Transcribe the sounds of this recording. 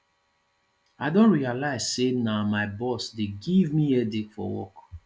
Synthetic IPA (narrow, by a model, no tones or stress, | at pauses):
aɪdõnɹialaɪz̥senamaɪbɔsdeɡivmiɛditfɔ̰wɔ̰k